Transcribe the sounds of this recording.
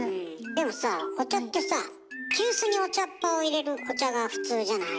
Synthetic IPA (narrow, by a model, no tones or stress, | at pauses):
ɯ̟̃d̪e̞mo̞sako̞t͡ɕat̪ːe̞sa | kʲɨːsɨɲ̟io̞t͡ɕapːao̞iɾe̞ɾɯ̟ko̞t͡ɕaɡaɸɯ̟̥t͡sɨːʑanai